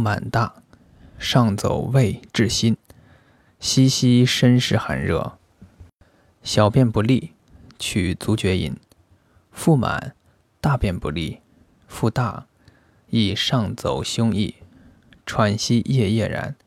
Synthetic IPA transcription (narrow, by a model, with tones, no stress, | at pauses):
ma̰˨˩nt̪a˥˩ | ʂɑ˥˩ŋt͡so̰˨˩ʊwe˥˧ɪʈ͡ʂɻ̩˥˩ɕi˥n | ɕi˥ɕi˥ʂə˥nʂɻ̩˥˩xa̰˧˥nɻɤ̰˥˩ | ɕjɑ˨˩ʊpjɛ˥˩npu˧˥li˥˩ | t͡ɕʰy˨˩t͡su˧˥t͡ɕɥɛ˧˥ḭ˨˧˩n | fu˥˩ma̰˨˩˦n | t̪a˥˧pjɛ˥˩npu˧˥li˥˩ | fu˥˧t̪a˥˩ | i˥˩ʂɑ˥˩ŋt͡so˨˩ʊɕjʊ˥ŋi˥˩ | ʈ͡ʂʰwa˧˥nɕi˥jɛ˥˧jɛ˥˩ɻa̰˧˥n